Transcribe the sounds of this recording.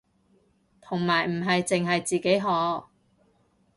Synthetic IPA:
t̪ʰʊ˨˩ŋmaː˨˩jm̩˨˩ɦɐ˨jt͡sɪ˨ŋɦɐ˨jt͡siː˨ke˨˥jɦɔː˨˥

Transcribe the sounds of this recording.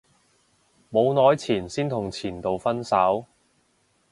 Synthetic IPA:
mo˨˧wnɔː˨˧jt͡sʰiː˨˩nsiː˥nt̪ʰʊ˨˩ŋt͡sʰiː˨˩nt̪o˨wfɐ˥nsɐ˨˥w

